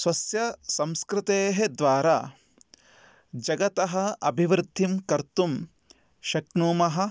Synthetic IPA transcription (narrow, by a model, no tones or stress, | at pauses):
sʋɐsjɐsɐmskɾɪt̪eːɦed̪ʋaːɾa̰ː | d͡ʒɐɡɐt̪ɐɦɐ̆ɐbʱiʋɾɪd̪ʱːimkɐɾt̪um | ʃɐknuːmɐɦɐ̆